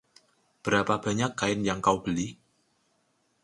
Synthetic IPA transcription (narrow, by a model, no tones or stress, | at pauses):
b̥əɾapab̥a̤ɲakːaɪnjaŋkawb̥əli